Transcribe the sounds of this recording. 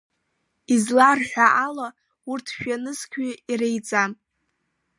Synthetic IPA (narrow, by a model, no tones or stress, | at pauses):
izlarħʷᶣaʔala | urtʰʃᶣanɨskʲʷʰiirejt͡sʼam